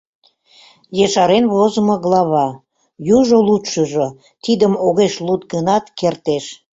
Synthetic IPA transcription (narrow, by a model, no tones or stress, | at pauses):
jeʃɑɾenβozəmoɣlɑβɑ | juʒolut̪ʃəʒo | t̪id̪əmoɣeʃlut̪̚ɡənɑt̪kert̪eʃ